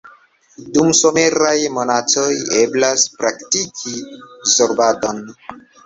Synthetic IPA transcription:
dumsome̞ɾajmonatojeblaspɾaktikʰizoɾbadon

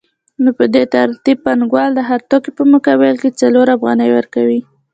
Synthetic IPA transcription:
nopəd̪et̪aɾt̪ib̚panɡwɑld̪əɦaɾt̪okipəmʊkawelket͡saloɾafɣɑ̰nəjwəɾkawi

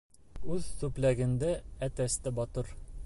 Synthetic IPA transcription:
ʉðt̪ʉplæɡɘ̆nd̪ææt̪æst̪æbɒt̪ɤɾ

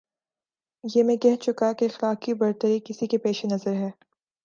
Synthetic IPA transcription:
jeːmɛ̃kɛɦt͡ʃʊkakeɪxlaːkibɐɾt̪əɾikɪsikepeːʃenɐzəɾɦɛː

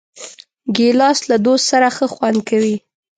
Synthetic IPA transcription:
ɡelɑslad̪ost̪saɾaxəxwand̪̚kawi

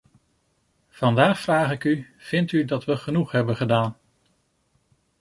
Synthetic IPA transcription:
v̥ɑndaːχfraːχɪkyv̥ɪntydɑtʋəχənuχɦɛbənχədaːn

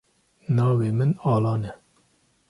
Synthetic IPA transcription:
nɑːweːmɨnɑːlɑːnɛ

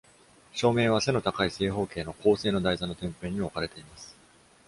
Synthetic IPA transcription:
ɕo̞ːmẽ̞ɰ̃β̞ase̞no̞t̪akaise̞ːɦo̞ːke̞ːno̞ko̞ːse̞ːno̞d̪aizanot̪ẽ̞mpe̞ːɲ̟iokaɾe̞t̪e̞imasɨ̥

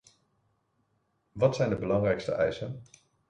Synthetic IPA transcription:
ʋɑtsɛjndəbəlɑŋrɛjkstə̰ʔɛjsən

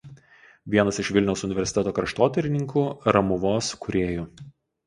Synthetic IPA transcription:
ʋʲiɛnɐsɪʃʋʲɪlʲnʲɛʊsʊnʲɪʋʲɛɾʲsʲɪ̥t̪ʲɛt̪oːkɾɐʃt̪oːt̪ʲɛɾʲɪnʲɪŋkuːɾɐmʊʋoːskʊɾʲeːjuː

